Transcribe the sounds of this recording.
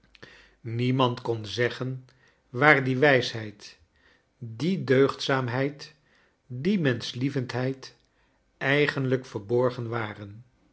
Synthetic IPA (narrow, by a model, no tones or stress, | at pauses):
nimɑntkɔnzɛχən | ʋaːɹdiʋɛjsɦɛjt | didøɥχtsaːmɦɛjt | dimɛnslivəntɦɛjt | ɛjχənləkfəɹbɔɹχənʋaːrən